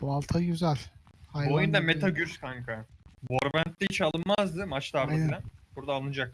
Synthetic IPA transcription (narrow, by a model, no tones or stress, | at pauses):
b̥ualˠt̪ʰaɟyzælʲ | habojund̪amet̪ʰaɟyɾskʰaŋkʰaboɾbænt̪lʲɛit͡ʃalˠɯnmazd̪ɯmat͡ʃt̪ˠaɾɯanb̥uɾd̪aːlˠɯnɯd͡ʒak̪̚